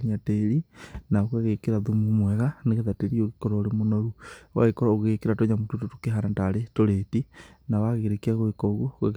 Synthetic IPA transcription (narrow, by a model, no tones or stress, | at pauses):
iɲateɾinaɣwaɣekeɾaðumumwɛɣaneɣeðateɾioɣekoɾɔoɾemonoɾuwa̰ɣekoɾoɣeɣekeɾatoɲamutototokeɦanataɾetoɾetinawaɣeɾekiaɣoekɔɣwoɣḛɣ